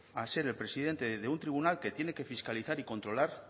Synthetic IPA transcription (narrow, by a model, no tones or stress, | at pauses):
ase̞ɾe̞lpɾe̞sið̞e̞nt̪e̞ðe̞unt̪ɾiβ̞unalke̞t̪je̞ne̞ke̞fiskaliθaɾiko̞nt̪ɾo̞laɾ